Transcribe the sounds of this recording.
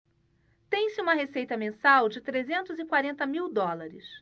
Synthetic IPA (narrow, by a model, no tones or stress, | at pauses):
t̪ẽj̃sɪũmɐɦesejt̪ɐmẽsawd͡ʒɪt̪ɾezẽnt̪ʊzɪkwaɾẽnt̪ɐmiwd̪ɔlaɾɪ̰s